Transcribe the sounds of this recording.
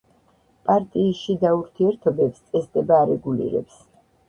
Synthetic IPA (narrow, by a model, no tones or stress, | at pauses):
pʼaɾt̪ʼiːsʃid̪auɾt̪ʰiɛɾt̪ʰɔbɛpst̪sʼɛsd̪ɛbaːɾɛɡulḭɾɛ̰ps